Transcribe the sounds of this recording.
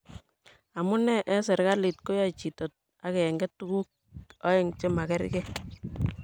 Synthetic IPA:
a˨mu˦nɛ˦ʔɛ˦sɛ˨ɾka˦li˨t̚ko˦ja˦t͡ʃi˨to˨t̚ | a˦kɛ˨ŋɡɛ˦tːu˦ku˦k̚ | ɔ˦e˦ŋt͡ʃe˦ma˨kɛ˦ɾ̰ke˦

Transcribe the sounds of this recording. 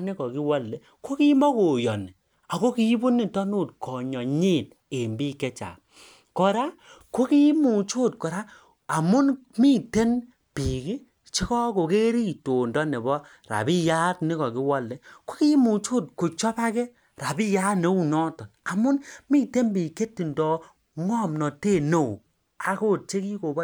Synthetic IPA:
ni˦kɔ˨ki˦wɔ˦lːe˦ | ko˦ki˦mɔ˦ko˨jɔ̰˨ni˨ | a˨ko˦ki˦bo˦ni˨tɔ˦nu˦˨tkʰɔ˨ɲɔ˨ɲi˦˨t̚ | e˨mbi˦kɛ˦t͡ʃa̰˨ | kɔ˨ɾa˦ko˦ki˦mu˨t͡ʃo˦˨t̚kɔ˨ɾa˦ | a˨mʊ˦nmi˦te˦n | pi˨ki˦ | t͡ʃi˦kɔ˦ko˨ke˦ɾi˦to˨ndɔ˦ne˨bɔ˦ | ɾa̰˨bi˦ja˦tni˦kɔ˨ki˦wɔ˦˨lːe˦ko˦ki˦mu˨t͡ʃo˦˨t̚ko˨t͡ʃɔ˦pa˦kɛ˦ | ɾa˨bi˦ja˦ne˦u˦nɔ˦tɔ˨na˨mʊ˦nmi˦te˦nbi˨ke˦tːi˨ndɔ˨ | ŋɔ˦˨mnɔ˨te˦˨no˨w | a˨ko˦˨t̚t͡ʃe˦ki˦ko˨bɔ˦

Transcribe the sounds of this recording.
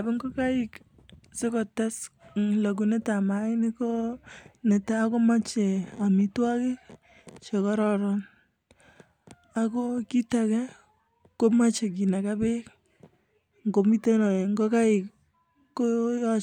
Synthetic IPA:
a˨be˦ŋɡo˦ka˦ɪ˦k | se˦kɔ˨ta˦sla˨k̬u˨ne˦ta˨ma˨ɪ˦ne˦ko˦ne˨taː˦ko˦ma˦t͡ʃe˨a˨mi˦twa˦kɪ˦k | t͡ʃe˨kɔ˦ɾɔ˦ɾɔn | a˦ko˦ki˦takɛ˦ | ko˦ma˦t͡ʃe˨k̬i˨na˨ka˦be˦k | ŋɡo˨mi˦te˦nɔ˨ŋɡo˦ka˦ɪ˨kː | ojɔ˦

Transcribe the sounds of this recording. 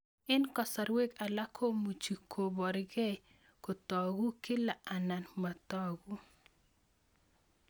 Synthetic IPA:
ɪ˦nkɔ˨sa˨ɾwe˦ka˨la˦kʰo˦mu˨t͡ʃi˨kʰo˨bɔ˨ɾɡɛ˦ | ko˨t̪ɔ˨ɡu˦kɪ˦la˨ʔa˨na˨nma˨t̪ɔɡu˦

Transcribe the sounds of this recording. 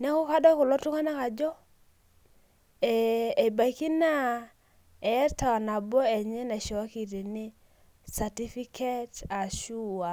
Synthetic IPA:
nɛ˦kɔ˦ka˦dɔ˦kʊ˨lɔ˦tʊ˦ŋa˦na˦ka˨d͡ʒɔ˦ | ɛ˨e˨ba˨i˦ki˦na˦ | ɛ˨˦ta˨wa˨na˨bɔ˦ɛ˨ɲɛ˦na˨ʃɔ˨wa˦ki˨ɾe˨nɪ˦ | sa˨ti˦fi˦kʰe˦ta˨ʃu˦a˨

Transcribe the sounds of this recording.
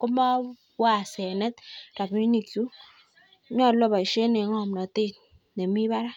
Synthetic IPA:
ko˦ma˦ | wa˦˨se˨ne˦t̚ɾa˨pɲi˦ni˨ksu˦ | ɲɔ˦˨lo˦ba˨ʃe˦ne˨˦ŋɔ˦˨mnɔ˨te˦˨t̚ | ne˨mi˦ba˦ɾa˦

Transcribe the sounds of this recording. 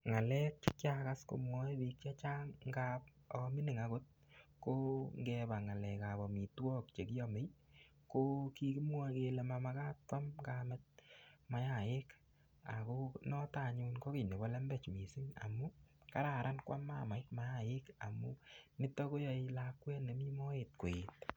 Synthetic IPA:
ŋa˨lɛ˦kkjaka˦sko̰˨mwɔ˦bi˧k̚t͡ʃa˦t͡ʃa˦ŋŋɡap̚ | ɔɔ˧mɪ˦nɪ˨ŋako˦t̚ | ko˦ŋɡɛba˨ŋa˨lɛ˨ka˨bɔ˨mi˨twɔ˦k̚t͡ʃe˨ki˦jɔme˦j | ko˦ki˧ki˦mwɔ˧ke˧le˨mama˧ka˦t̚kwa˦mkaːmɛ˦t̚ma˨˦ja˨je˦k | a̰˨ko˦nɔ˦ta˨ɲu˧nko˦ke˨ne˨bɔ˦lɛ˦mbɛ˦˨t͡ʃmi˨sɪ˦ŋa̰˨mu˦ka˦ɾa˨ɾa˦nkwa˦mːaː˦ma˨jtma˦ja˨jɪ˦ka˨mu˦mɪ˦tɔ˦ko˦jɔ˧i˦la˦kwɛ˦ne˨mi˦mɔ˦e˨t̚ko˨e˨t̚

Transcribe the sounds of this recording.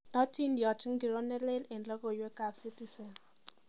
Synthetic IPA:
ɔ˦ti˦ndjɔ˨t͡ʃɪ˦ŋɡi˨ɾɔ˦nɛ˦le˦lɛ˨ndla˦ko˨jwɛ˦ka˨psi˦ti˦sɛ˨n

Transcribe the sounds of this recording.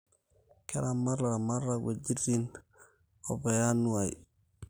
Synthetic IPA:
kɛ˦ɾa˨ma˦ɾa˨ma˦ɾa˦we˨d͡ʒi˦ɾi˦n | ɔ̰˨bɛ˨ja˦nu˦a˨j

